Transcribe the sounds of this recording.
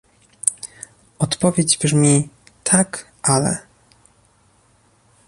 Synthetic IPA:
ɔt̪pɔvʲjed͡ʑbʐmʲi | t̪ʰak | ʔalɛ̰

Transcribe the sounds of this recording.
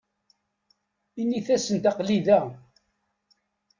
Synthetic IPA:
inːiθæsənt̪ɑqliðæ

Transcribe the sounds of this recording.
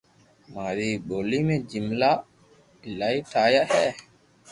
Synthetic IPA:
maːɾiɓolimẽd͡ʒimla | laiʈʰaːjahɛː

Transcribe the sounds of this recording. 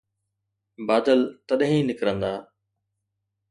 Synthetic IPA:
baːd̪əlt̪ɐɗɦĩnɪkɾə̃nd̪aː

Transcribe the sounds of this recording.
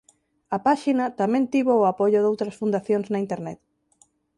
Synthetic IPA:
ɐpaʃinɐt̪amɛ̃nt̪iβoːapoʎʊðowt̪ɾɐsfund̪aθjoŋznɐint̪eɾnɛt̪

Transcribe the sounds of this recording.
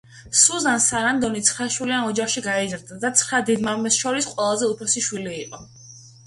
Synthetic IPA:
suzansaɾand̪ɔnit̪sʰχɾaʃwilianɔd͡ʒaχʃiɡaɛzɾd̪ad̪at̪sʰχɾad̪ɛd̪maɾmɛsʃɔɾisqʼwɛlˠazɛupʰɾɔsiʃwiliːqʼɔ

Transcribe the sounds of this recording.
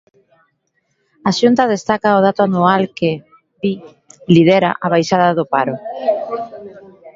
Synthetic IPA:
aʃunt̪aðest̪akaʊð̞at̪ʊanualkɪ | βi | lið̞ɛɾa̰ʔaβ̞ajʃaðaðʊpaɾʊ

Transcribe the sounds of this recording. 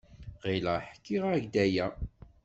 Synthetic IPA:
ʁiləħkːiʁæʝd̪æjæ

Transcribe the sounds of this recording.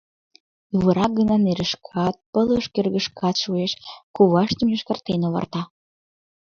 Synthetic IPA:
uβəɾɑk̚ɡənɑneɾəʃkʰɑt̪̚pələʃkerɣəʃkʰɑt̪ʃueʃkuβɑʃt̪ə̆mjoʃkə̆rt̪enoβɑ̰rt̪ɑ

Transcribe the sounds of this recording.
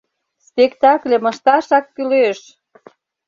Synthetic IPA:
spekt̪ɑklʲĕmə̆ʃt̪ɑʃɑkːyløʃ

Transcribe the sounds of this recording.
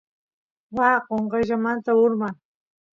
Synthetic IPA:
wɑqoɴɢɑʒamant̪aʊɾmaŋ

